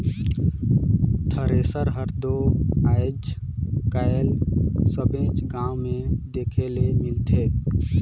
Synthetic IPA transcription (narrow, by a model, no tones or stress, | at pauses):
t̪ʰəɾeːsəɾɦəɾd̪oaːɪd͡ʒkaelsəbẽt͡ʃɡãwmẽd̪eːkʰelemɪlt̪ʰeː